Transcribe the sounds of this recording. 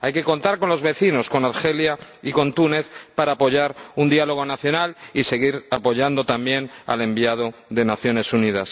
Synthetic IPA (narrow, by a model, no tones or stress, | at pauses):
ajke̞ko̞nt̪aɾko̞nlo̞zβe̞θino̞sko̞naɾxe̞ljaiko̞nt̪une̞θpaɾaːpo̞ʝaɾund̪ialo̞ɣo̞naθjo̞nalise̞ɣiɾapo̞ʝand̪o̞t̪ambje̞na̰le̞mbiað̞o̞ðe̞naθjo̞ne̞sunið̞as